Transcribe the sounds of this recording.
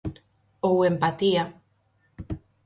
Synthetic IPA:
owempat̪ia

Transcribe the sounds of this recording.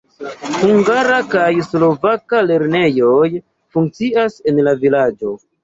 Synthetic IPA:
huŋɡaɾakajslo̞vakale̞ɾne̞jo̞j | fuŋk̚t͡siase̞nlavilad͡ʒo̞

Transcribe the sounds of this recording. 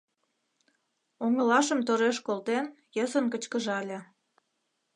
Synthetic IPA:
oŋə̆lɑʃəmt̪oɾeʃkolt̪en | jəzənkət͡ɕkəʒɑlʲe

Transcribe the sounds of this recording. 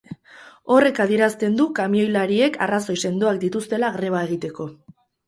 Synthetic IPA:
o̞re̞kaðie̞ɾast̪e̞nd̪ukamio̞jlaɾie̞ka̰raso̞jse̞nd̪oakd̪it̪ust̪e̞laɣɾe̞β̞ae̞ɣ̞it̪e̞ko̞

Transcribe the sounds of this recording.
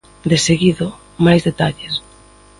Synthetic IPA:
d̪eseɣiðʊ | majzðet̪aʎes

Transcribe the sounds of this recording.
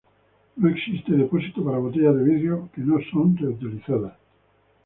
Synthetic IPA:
noeksist̪eðeposit̪opaɾaβot̪eʎaðeβiðeokenosont̪et̪iliθaða

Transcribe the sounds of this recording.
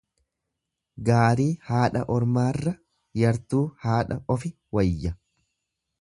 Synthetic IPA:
ɡaːɾiːhaːᶑɐʔɔɾmaːrːɐ | jɐɾt̪uːhaːᶑɐʔɔfɪ | wɐjːɐ

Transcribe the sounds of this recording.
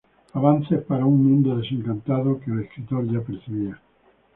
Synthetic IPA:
aβanθespaɾauŋmũnd̪oðesẽŋkant̪aðokeleskɾit̪oɾʝapeɾθiβia

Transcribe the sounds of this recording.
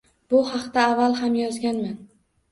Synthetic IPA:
b̥ʊhɑqt̪aːvːalˠɦamjɒzɡʲanman

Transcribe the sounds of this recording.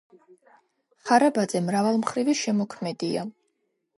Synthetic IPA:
χaɾabad̪zɛmɾavalˠmχɾiviʃɛmɔkʰmɛd̪ia

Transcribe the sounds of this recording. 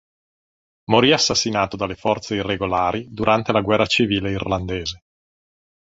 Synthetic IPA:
moɾiasːasːinaːt̪od̪alːefɔrt̪seirːeɡolaːɾid̪uɾʔant̪elaɡwɛrːat͡ʃiviːleirland̪eːze

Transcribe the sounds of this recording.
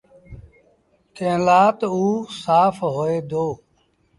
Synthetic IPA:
t̪ẽːlaːt̪uːsaːfɦoːeːd̪oː

